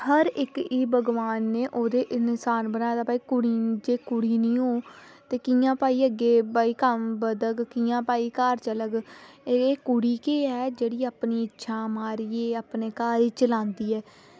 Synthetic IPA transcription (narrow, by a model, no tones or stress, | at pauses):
həɾɪkiːbəɡʋaːnːeːʔoːd̪eːʔɪnsaːnbənaːjd̪aːpaːiːkʊɽiːd͡ʒeːkʊɽiːnĩːɦoː | t̪eːkijãːpaːiːəɡeːbaːiːkəmbəd̪əɡkiːjãːpaːiːkaːɾt͡ʃələɡeeːkʊɽiːkeːɛːd͡ʒeːɽiːaːpniːɪtːʃʰaːmaːɾiːeːaːpneːkaːɾiːt͡ʃəlãːnd̪iːɛː